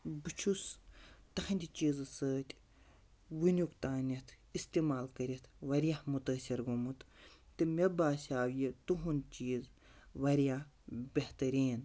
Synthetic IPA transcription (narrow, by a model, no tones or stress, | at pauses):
bɨt͡ʃʰust̪ɐxɐnʲd̪ʲit͡ʃiːzɨsəːt̪ʲ | ʋɨnʲjukt̪aːnʲɐt̪ʰ | ist̪iːmaːlkɐɾʲit̪ʰʋɐɾʲjahmut̪ɐːsʲiɾɡumut̪t̪ɨmʲebaːsʲaːʋjit̪uɦunt͡ʃiːzʋɐɾija | bʲɐht̪ɐɾiːn